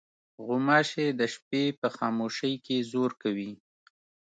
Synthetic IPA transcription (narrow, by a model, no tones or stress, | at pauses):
ɣʊmɑʃed̪əʃpepəxɑmoʃəjkezoɾkawi